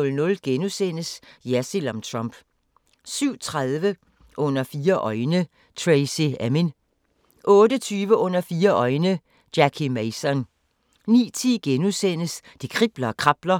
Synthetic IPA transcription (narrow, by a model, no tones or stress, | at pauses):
lnɔ̽lɡ̥enusen̰əsjæsilɒmt͡sʰʁɔmb̥ | syʊ̰t͡sʰʁaðˠʋə | ʔɔ̽n̰ɐfiːɐʔɒ̽ɪnə | t͡sʰʁeɪsiæmen | ʔɔ̽ːɾət͡sʰyːʋəʔɔ̽n̰ɐfiːɐʔɒ̽ɪnə | d̥ækʰimeɪsɒn | nḭːt͡sʰiɡ̥enusen̰əsd̥ikʰʁib̥lɐːkʰʁɑ̈b̥lɐ